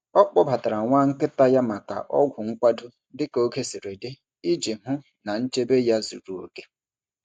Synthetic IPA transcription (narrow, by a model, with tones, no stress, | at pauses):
ɔ˦k͡pɔ˦ba˨ta˨ɾa˨ŋʷa˦ŋ̩˦kɪ˦ta˦ja˦ma˨ka̰˨ʔɔ̰˦ɡʷʊ˨ŋ̩˦kʷa˦dʊ˦ | dɪ˦ko˦ke˦si˨ɾe˨dɪ˦ | i˦d͡ʒi˨mʊ˦ | na˨n̩˦t͡ʃe˦be˦ja˦zṵ˨ɾu˨o̰˨ke˦